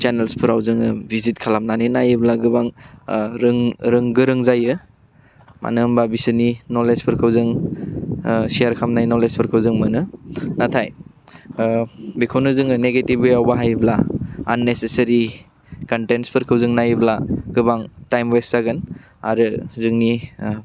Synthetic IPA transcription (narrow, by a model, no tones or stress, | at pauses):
t͡ʃenelspʰɯɾawzɯŋɯbʱizit̚kʰalamnaninajɯblaɡɯbaŋɾɯŋɾɯŋɡɯɾɯŋzajɯ | mʔa̰nɯmbabisɯninolespʰɯɾkʰɯwzɯŋ | siaɾkʰamnajnolespʰɯɾkʰɯwzɯŋmɯnɯnatʰaj | bikʰonɯzɯŋɯneɡetibɯjawbaɦajblaːnːesesɐɾi | kantenspʰɯɾkʰɯwzɯŋnajɯblaɡ̥ɯbaŋtajmweszaɡɯn | a̰ɾɯzɯŋni